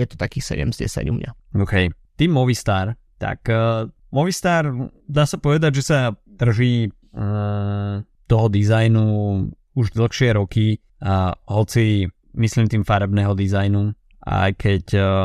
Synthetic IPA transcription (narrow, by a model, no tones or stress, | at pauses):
jɛt̪ɔ̥t̪akiːxsɛ̰ɟɛ̰mzɟɛ̰sa̰ɟṵmɲa̰oʊkɛj | t̪iːmːɔʋist̪aːɾ | t̪a̰k | mɔʋist̪aːɾd̪aːsapɔʋɛd̪aɟʒɛsad̪̥r̩ʒiː | t̪ɔɦɔd̪izajnu | uʒd̪l̩ˠxʃɪɛɾɔki | ɦɔt͡si | mislimt̪iːmfaɾɛbnɛɦɔd̪izajnu | ʔa̰jkʰɛc